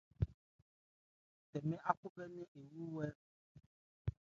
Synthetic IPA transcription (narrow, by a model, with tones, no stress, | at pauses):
t̪ɛ˨mɛ̃˦ʔa˦ku˦bɛ˦nɛ̃˦ʔe˨wu˦wɛ˦